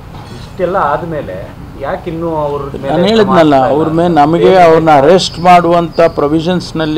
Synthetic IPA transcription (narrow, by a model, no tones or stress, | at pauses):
iʂʈɛlːɐaːd̪ɐmeːlḛ | jaːkinːuɐʋɾnaːnɦe̞ːɭid̪nɐlːɐɐʋɾmeːnɐmɐɡe̞ɐʋɐɾnuɐɾesʈmaːɽuʋɐnt̪ʰɐpɾoʋiʃɐnsnɐlːi